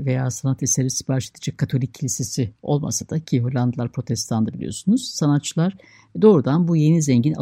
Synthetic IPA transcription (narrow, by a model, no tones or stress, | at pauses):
ve̞jaːsanat̪isɛɾvisibaʃlˠat̪ad͡ʒakʰːat̪ʰo̞lʲicʰːilʲise̞sio̞̰lˠma̰sad̪̥acʰiɦolʲand̪ɯlˠaɾpʰɾo̞t̪ʰɛst̪ʰand̪abilʲḭjo̞̰sunuz̥sanat̪̚t͡ʃʰːɯlˠaɾ̥ | d̪o̞ːɾud̪anbuje̞nizɛɲɟina̰